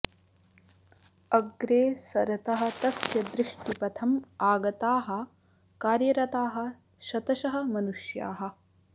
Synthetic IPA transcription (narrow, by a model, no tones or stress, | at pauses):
ɐɡɾeːsɐɾɐt̪ɐɦɐ̆t̪ɐsjɐd̪ɾɪʂʈipɐt̪ʰɐmaːɡɐt̪aːɦɐ̆ | kaːɾjɐɾɐt̪aːɦɐ̆ | ʃɐt̪ɐʃɐɦɐ̆mɐnuʃja̰ːɦɐ̆